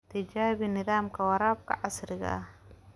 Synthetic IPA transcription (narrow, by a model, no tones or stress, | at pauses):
t̪ʰɪd͡ʒaːβinɪðaːmkʰɐwɑɾaːb̚kʰɐ̰ʕɑsɾɪɣɐ̰ʔɐh